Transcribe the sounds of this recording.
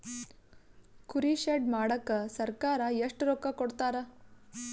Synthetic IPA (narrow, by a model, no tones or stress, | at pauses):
kʰuɾiʃeɖmaːɽɐkːɐsɐɾkaːɾɐjeʂʈɾoːkɐkoɽt̪aːɾɐ